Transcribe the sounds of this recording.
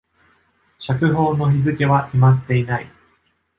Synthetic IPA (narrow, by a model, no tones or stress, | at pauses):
ɕakɯ̟ɦo̞ːno̞çizɨke̞βakʲimat̪ːe̞inai